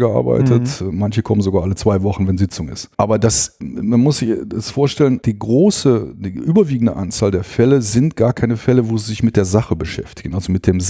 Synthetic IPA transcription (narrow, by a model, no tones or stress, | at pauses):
ɡəʔa̰ɐba̰ɪtʰətmançəkʰɔmən̩zoɡaːɐʔalət͡sv̥aɪvɔχn̩vɛnzɪt͡sʊŋɪ̰stʔaːbɐdasmanmʊsz̥ɪçɛsfoːɐʃtɛlənd̥iːɡʁoːsəd̥iːʔyːbɐviːɡŋ̩də̰ʔant͡saːldeːɐfɛləzɪntɡ̥aːɐkʰaɪnəfɛləvoːziːzɪçmɪt̚d̥eːɐzaχəbəʃɛ̰ftɪ̥ɡ̥n̩ʔalzomɪt̚d̥eːm